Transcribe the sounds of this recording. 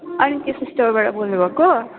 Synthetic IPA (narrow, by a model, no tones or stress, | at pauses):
ʌnikesisʈʌmbaʈʌbolnubʱʌko